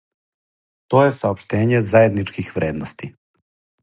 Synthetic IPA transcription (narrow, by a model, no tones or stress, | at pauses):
t̪oːjesaopʃt̪e̞ːɲezajed̪nit͡ʃkixʋɾeːd̪nost̪i